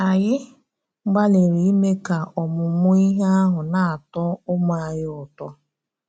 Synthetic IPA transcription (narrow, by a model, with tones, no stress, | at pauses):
a˨jɪ˦ | ɡ͡ba˦le˨ɾi˨i˦me˦ka˨ɔ˨mʊ˨mʊ˦i˦ɦe˦a˦ɦʊ˨na˨a˨tɔ˦ʊ˦mʊ˨a˨jɪ˦ʊ˨tɔ˦